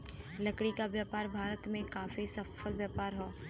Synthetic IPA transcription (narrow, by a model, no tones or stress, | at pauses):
lɐkɽikabjaːpaːɾbʱaːɾət̪mẽkaːfisɐfəlbjaːpaːɾɦoː